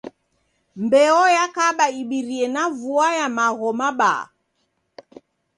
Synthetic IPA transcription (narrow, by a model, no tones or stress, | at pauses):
mbɛɔjakaɓaiɓiɾiɛnavuajamaɣɔmaɓa̰